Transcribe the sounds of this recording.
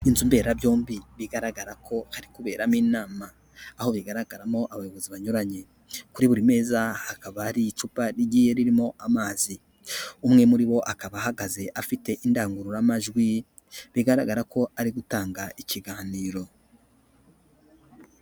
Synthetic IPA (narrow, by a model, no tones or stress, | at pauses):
inzumbe̞ɾabjo̞ːmbiβiɡaɾaɡaɾakʰo̞haɾikuβe̞ːɾamiːnaːmaː | ho̞βiɡaɾaɡaɾamo̞ʔaβajo̞βo̞ziβaɲuɾaɲe̞ | kuɾiβuɾime̞ːzahakaβaːɾit͡ʃupaɾiɟije̞ɾiɾimo̞ʔamaːzi | umŋe̞muɾiβo̞ʔakaβahaɡaze̞ʔafite̞ʔindaːŋɡuɾuɾamaʒɡwi | βiɡaɾaɡaɾako̞aɾiɡutaːŋɡaiciɡaːniːɾo̞